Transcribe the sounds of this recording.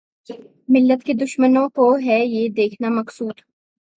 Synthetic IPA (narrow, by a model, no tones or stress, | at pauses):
mɪlːət̪ked̪ʊʃmənõkoɦɛjed̪eːkʰnamɐksuːd̪